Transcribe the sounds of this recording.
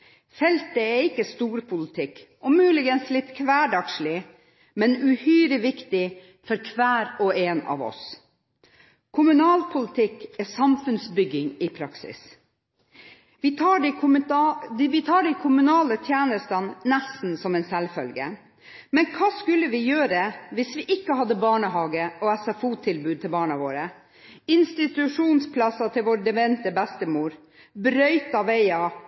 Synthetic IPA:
fɛlt̪əɛɾɪkːəst̪uːɾpʰʊlɪt̪ʰɪk | ʊmʉːlɪɡənslɪt̪kʰʋæːɖɑkʂɭɪ | mɛnʉhyːɾəʋɪkt̪ɪ | fɔɾkʰʋæːɾɔeːnɑ̰ːʋɔ̰s | kʰʊmʉnɑːlpʰʊlɪt̪ʰɪkːɛsɑmfʉnsbʏɡːɪŋɪpʰɾɑksɪ̰s | ʋɪ | ʋɪt̪ʰɑːɖɛɪkʰʊmʉnɑːlət̪ʰjæːnəst̪ɑnnæst̪n̩sɔmɛːnsɛlfœlɡə̰ | mɛnkʰɑːskʉlːəʋɪjøːɾəʋɪsʋɪʔɪkːəhɑd̪ːəbɑːɳəɦɑːɡəɔɛsɛfuːt̪ʰɪlbʉːd̪̚t̪ʰɪlbɑːɳɑʋo̰ːɾə | ɪnst̪ɪt̪ʉʂuːnspʰlɑsɑt̪ʰɪlʋoːɾd̪ɛʋɛnt̪əbæst̪əmuːɾ | bɾœʏt̪ɑʋɛɪɑ

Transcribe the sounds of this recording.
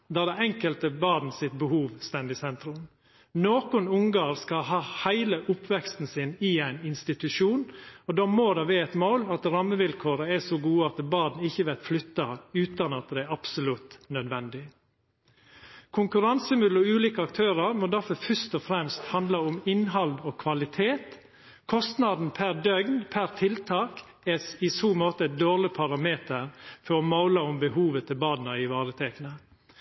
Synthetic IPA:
d̪ɑːd̪ɛɛŋkəlt̪əbɑːd̪n̩sɪt̪̚bəhuːʋst̪ɛnd̪ɪsɛnt̪ɾʉm | noːkʊnʊŋɡɑːɾskɑhɑːhæɪləʔʊpʋɛkst̪n̩sɪnɪæɪnɪnst̪ɪt̪ʉʂuːnɔd̪ɔmoːd̪ɑʋɛɛt̪moːlɑt̪ɾɑmːəʋɪlkʰoːɾəɛsɔɡuːəɑt̪bɑːd̪n̩ɪçːəʋɛt̪flʏt̪ːɑʉːt̪ɑnɑt̪̚d̪ɛæɑpsʊlʉt̪nœd̪ʋɛnd̪ɪ | kʰʊŋkʉɾɑnsəmʉd̪l̩ɔʉːliːkəɑk̚t̪ʰøːɾɑɾmoːd̪æɾfɔfœst̪ɔfɾɛmst̪hɑnd̪lɑʊmɪnɦɑld̪ɔːkʰʋɑlɪt̪ʰeːt̪ | kʰɔst̪nɑd̪n̩pʰæɾd̪œɡnpʰæɾt̪ʰɪlt̪ʰɑːk | ɛɪsuːmoːt̪əd̪oːɾlɪpʰɑɾɑmeːt̪əɾfɔɾɔmaʊlɑʊmbəhuːʋət̪ʰɪlbɑːd̪n̩ɑɪʋɑːɾət̪ʰɛkənə

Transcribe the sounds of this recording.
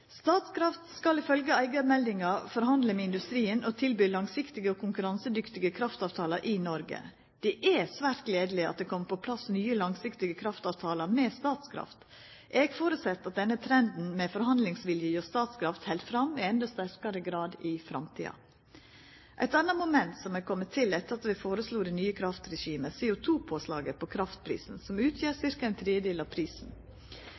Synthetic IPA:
st̪ɑːt̪skʰɾɑft̪skɑlɪfœlɡəæɪɡɑmɛld̪ɪŋɑfɔɾhɑnd̪ləmɛɪnd̪ʉst̪ɾiːənɔt̪ʰɪlbyːlɑŋsɪkt̪ɪɡəɔkʰʊŋkʉɾɑnsəd̪ʏkt̪ɪɡəkʰɾɑft̪ɑːʋt̪ʰɑːlɑɾʔɪnɔɾɡə̰ | d̪̥ɛʔɛsʋæːɾt̪̚ɡleːd̪əlɪɑt̪̚d̪ɛkʰɔmːəpʰɔpʰlɑsnyːəlɑŋsɪkt̪ɪɡəkʰɾɑft̪ɑːʋt̪ʰɑːlɑɾmɛːst̪ɑːt̪skʰɾɑ̰ft̪ | ʔeːɡfoːɾʉt̪sɛt̪ːɑt̪̚d̪ɛnːət̪ʰɾɛnd̪n̩mɛfɔɾhɑnd̪lɪŋsʋɪljəjɔst̪ɑːt̪skʰɾɑft̪hɛld̪fɾɑmɪɛnd̪ɑst̪æɾkɑɾəɡɾɑːd̪ɪfɾɑmt̪ʰḭːɑ̰ | ʔæ̰ɪt̪ɑnɑmʊmɛnt̪sɔmɛkʰɔmːət̪ʰːɪlɛt̪ːəɾɑt̪ʋɪfoːɾəsluːd̪ɛnyːəkʰɾɑft̪ɾɛʃiːməsɛːʊt̪ʰuːpʰoːslɑ̰ːɡəpʰɔkʰɾɑft̪̚pʰɾḭːsn̩sɔmʉːt̪ʰjeːɾsɪɾkɑɛɪnt̪ʰɾeːd̪eːlɑʋpʰɾiːsn̩

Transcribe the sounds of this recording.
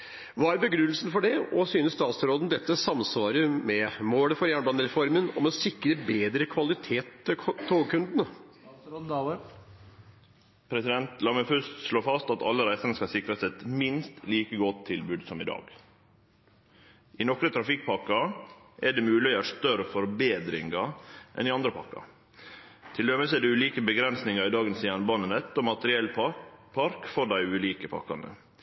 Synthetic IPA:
ʋɑːæɾbəɡɾʉːl̩sn̩fɔɖɛɔsyːnəst̪ɑːt̪sɾoːd̪n̩d̪ɛt̪ːəsɑmsʋɑːɾəmɛmoːɽəfɔɾjæːɳbɑnəɾɛfɔɾmənɔ̰mɔsɪkɾəbeːd̪ɾəkʰʋɑlɪt̪ʰeːt̪t̪ʰoːɡkʰʉnd̪nə | pʰɾɛsɪd̪ɛnt̪lɑməfʉst̪ʂɭoːfɑst̪ɑt̪ɑ̰lːəɾæɪsɑɾnəskɑsɪkɾɑsɛt̪mɪnst̪liːkəɡɔt̪ʰːɪlbʉːd̪sɔmɪd̪ɑ̰ːɡ | ʔɪnɔkɾət̪ʰɾɑfɪk̚pʰɑkɑʔɛɖɛːmʉːlɪəʂt̪œɾəfɔɾbeːd̪ɾɪŋɑʔɛ̰nɪɑnd̪ɾəpʰɑ̰ɾkɑ̰ | t̪ʰɪld̪øməsɛd̪ɛʉːliːkəbəɡɾɛnsnɪŋɑɾɪd̪ɑːɡənsiːɑnbɑːnənɛt̪ːɔmɑt̪əɾɪɛlːpʰɑɾkfɔɖæɪʉːliːkəpʰɑ̰kɑnə̰

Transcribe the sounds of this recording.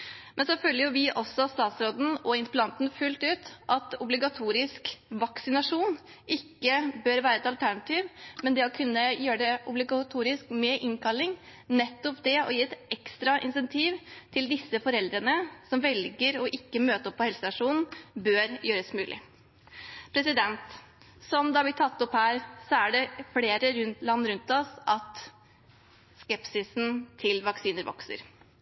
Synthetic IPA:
mʔɛnsoːfølːəɾjʊʋɪʔɔsːɔst̪ɑːt̪sɾoːd̪n̩ɔɪnsplɑnt̪n̩fʉlt̪ʉːt̪ʔɑt̪ʊblɪɡɑt̪ʰuːɾɪskʋɑksɪnɑʂuːn | ʔɪkːəbøːɾʋæːɾəɛt̪ɑlt̪ʰæɳɑt̪ʰiːʋmɛnd̪ɛɔkʰʉnːəjøːɾəɖɛʔʊblɪɡɑt̪ʰuːɾɪskmɛʔɪŋkʰɑlːɪŋnɛt̪ːɔpd̪ɛɔ̰jiːɛt̪ɛkst̪ɾɑʔɪ̰nsɛnt̪ʰiːʋt̪ʰɪld̪ɪsːəfɔɾɛld̪ɾənəsɔmʋɛlɡəɾɔʔɪkːəmøːt̪əɾɔpʰːɔhɛlsəsɑʂuːnn̩bøːɾjøːɾəsmʉːlʔɪ̰ | pʰɾɛsɪd̪ɛnt̪ | sɔmd̪ɑʋɪt̪ʰɑt̪ːɔphæːɾsɔæɖɛfleːɾəɾʉnt̪lɑnːɾʉnt̪ɔsʔɑt̪ | skɛpsɪsn̩t̪ʰɪlʋɑksiːnəɾʋɔ̰ksə̰ɾ

